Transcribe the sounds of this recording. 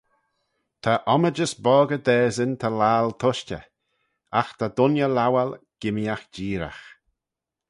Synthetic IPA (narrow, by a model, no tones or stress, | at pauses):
t̪ʰaʔɔməd͡ʒəsbɔːɡəd̪ɛːzənt̪ʰalaːlt̪ʰʊʃtə̰ | axt̪ʰad̪ʊnjəlawalɡ̥ɪmjaxd͡ʒiːɾa̰x